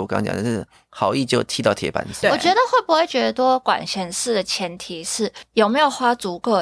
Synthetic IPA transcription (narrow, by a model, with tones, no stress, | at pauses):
wɔ˨˩kt͡ɕj̰n˥ʂ̩˥˩ | xɑ˨˧˥ʊi˥˧t͡ɕjo˥˧ʊt̪ʰi˧˥t̪ɑ˥˩ʊt̪ʰjɛ̰˧˥pa̰˧˥n˨˥wɔ˨˩t͡ɕɥɛ˧˥d̪ə˧xwe˥˩ɪpu˧˥xwɪt͡ɕɥɛ˧˥d̪ə˧t̪wɔ˥kwa̰˨˩nɕjɛ˧˥nsʂɻ̩˥˩d̪ə˩t͡ɕʰjɛ˧˥nt̪ʰi˨˩ʂɻ̩˥˩jo˨˩ʊme˧˥ɪjo˨˩ʊxwa˥t͡su˧˥kɤ˥˩